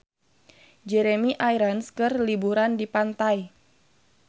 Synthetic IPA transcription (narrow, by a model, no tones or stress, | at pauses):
d͡ʒɛɾemiʔajɾanskɨrlibuɾandipant̪aj